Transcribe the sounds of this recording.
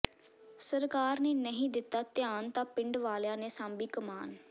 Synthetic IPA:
səɾkaːɾneːnəɦĩːd̪ɪt̪ːaːt̪ɪjaːnt̪ãːpɪɳɖʋaːljãːneːsãːmbiːkəmaːn

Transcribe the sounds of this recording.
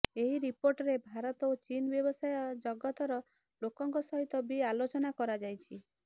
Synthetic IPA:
eɦiɾipoɾʈɾebʱaɾɔt̪ot͡ʃinbjɔbɔsajɔd͡ʒɔɡɔt̪ɔɾɔ | lokɔŋkɔsɔɦit̪ɔbialot͡ʃɔnakɔɾad͡ʒajt͡ʃʰi

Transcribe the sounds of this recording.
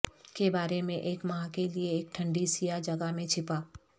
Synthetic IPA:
kebaːɾemẽʔeːkmaãkelieːk̚ʈʰə̃ɳɖisijad͡ʒɐɡaɦmẽt͡ʃʰɪpaː

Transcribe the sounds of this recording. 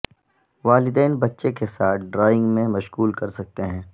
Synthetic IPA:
ʋaːlɪd̪ɛːnbɐtːʃekesaːt̪̚ʰɖɾaːɪ̃ŋɡmẽmɐʃɣuːlkɐɾsɐk̚t̪eɦɛ̃ː

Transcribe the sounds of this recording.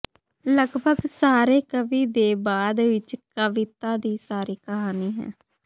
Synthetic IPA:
ləɡbʱəɡsaːɾeːkəʋiːd̪eːbaːd̪ʋɪt͡ʃkəʋɪt̪aːd̪iːsaːɾiːkəɦaːniːɦɛ̰̃ː

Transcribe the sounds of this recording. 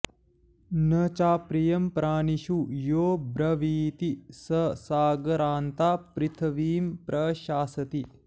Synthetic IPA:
nɐt͡ʃaːpɾijɐmpɾaːniʃujoːbɾɐʋiːt̪isɐsaːɡɐɾaːnt̪aːpɾit̪ʰɐʋiːmpɾʔɐʃaːsɐt̪i

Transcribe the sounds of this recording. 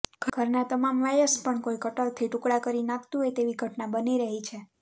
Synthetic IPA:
ɡ̥ʱɡʱəɾnat̪əmamʋajəspəɳkoikəʈəɭt̪ʰiʈukɽakəɾinakt̪uɦet̪eʋiɡʱəʈnabəniɾəɦit͡ʃʰe

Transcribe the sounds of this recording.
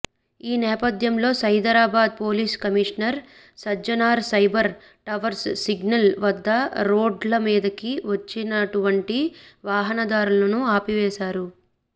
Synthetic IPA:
iːnɛːpɐd̪ʱjɐmlo̞ːsɐjd̪ɐɾaːbaːd̪̚po̞ːliːskɐmiʂɐnɐɾ | sɐd͡ʒɐnaːɾsɐjbɐɾ | ʈɐʋɐɾssiɡnɐlʋɐd̪ːɐɾo̞ːɖlɐmiːd̪ɐkiʋɐt͡ʃːinɐʈuʋɐɳʈiʋaːɦɐnɐd̪aːɾulɐnuaːpiʋɛːʃaːɾu

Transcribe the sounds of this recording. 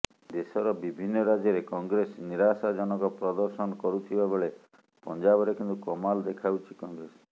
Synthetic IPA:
d̪esɔɾɔbibʱinːɔɾad͡ʒjɔɾekɔŋɡɾesniɾasad͡ʒɔnɔkɔpɾɔd̪ɔɾsɔnɔkɔɾut̪ʰibabeɭe | pɔnd͡ʒabɔɾekint̪ukɔmald̪ekʰawt͡ʃʰikɔŋɡɾesɔ̥

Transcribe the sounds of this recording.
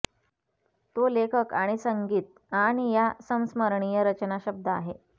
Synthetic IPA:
t̪olekʰəkaɽ̃isəŋɡiːt̪̚ | añijasəm̃sməɾɳijəɾət͡ɕnaɕəb̚d̪ʱəa̰ɦe

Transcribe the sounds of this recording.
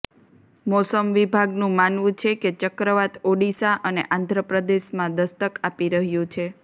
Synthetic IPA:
mɔsəmʋibʱaɡnũmanʋũt͡ʃʰeket͡ʃəkɾəʋat̪oɖisaʔəneʔãnd̪ʱɾəpɾəd̪eʃmãd̪əst̪əkapiɾəɦjũt͡ʃʰe

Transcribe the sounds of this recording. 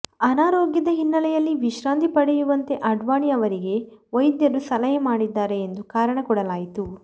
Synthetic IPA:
ɐnaːɾoːɡjɐd̪ɐɦinːɐlɛjɐlːiʋiʃɾaːnd̪ipɐɽɛjuʋɐnt̪e̞ʔɐɖʋaːɳiɐʋɐɾiɡe̞ʋɐjd̪jɐɾusɐlɐjɐmaːɽid̪ːaːɾe̞ːnd̪ukaːɾɐɳɐkɔɽɐlaːjit̪u

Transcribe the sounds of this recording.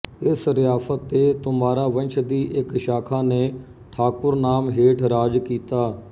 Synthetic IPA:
ɪsɾɪjaːfət̪ːeːt̪ʊmaːɾaːʋə̃nt͡ʃʰd̪iːʔɪkʃaːkʰaːneː | ʈʰaːkʊɾnaːmɦeːʈʰɾaːd͡ʒkiːt̪aː

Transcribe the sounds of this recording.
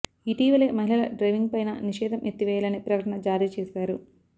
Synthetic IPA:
iːʈiːʋɐle̞ːmɐɦilɐlɐɖɾɐjʋiŋɡ̚pɐjnɐ̰niʂɛːd̪ɐmʔjet̪ːiʋɛːjɐlɐneːpɾɐkɐʈɐɳɐd͡ʒaːɾiːt͡ʃɛːsaːɾu

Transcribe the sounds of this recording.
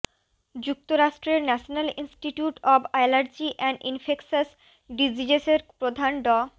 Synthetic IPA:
d͡ʑuk̚t̪oɾaʃʈɾeɾnɛʃonalinsʈiʈjuʈɔbajlaɾd͡ʑiʔɛɳɖʔḭnfeksas | ɖid͡ʑid͡ʑeseɾpɾod̪ʱanɖɔ

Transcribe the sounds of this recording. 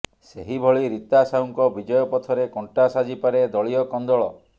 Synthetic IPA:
seɦibʱɔɭiɾit̪asawŋkɔbid͡ʒɔjɔpɔt̪ʰɔɾekɔɳʈasad͡ʒipaɾed̪ɔɭijɔkɔnd̪ɔɭɔ

